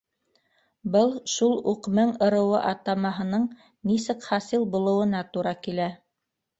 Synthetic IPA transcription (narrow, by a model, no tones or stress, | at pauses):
bɤlˠʃulˠuqmɘŋɤ̆ɾɤ̆wɤʔɑt̪ɑmɑɦɤ̆nɤɴ | nisɘkχɑsilˠbulˠɤ̆wɤ̆nɑt̪uɾɑkilæ